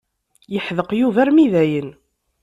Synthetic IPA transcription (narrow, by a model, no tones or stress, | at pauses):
jəħðəqjuvæɾmiðæjən